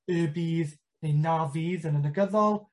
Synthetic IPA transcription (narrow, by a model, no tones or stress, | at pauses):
əːbiːð | nejnaviːðənənəɡəðɔlˠ